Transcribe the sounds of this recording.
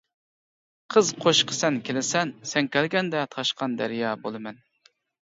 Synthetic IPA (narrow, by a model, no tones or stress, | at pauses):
qʰəzqʰoʃqʰə̥sɛnkʲʰelɪsɛnsɛnkʲælɡʲɛnd̪ɛt̪ʰɑʃqɑnd̪æ̰ɾjɑːbolˠɨmɛn